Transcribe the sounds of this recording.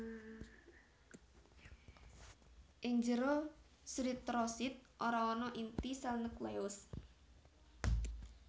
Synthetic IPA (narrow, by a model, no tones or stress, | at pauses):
ʔɪɲd͡ʒəɾo | sɾit̪ɾɔsit̪̚ʔoɾaɔnɔʔint̪isalnəkleʊs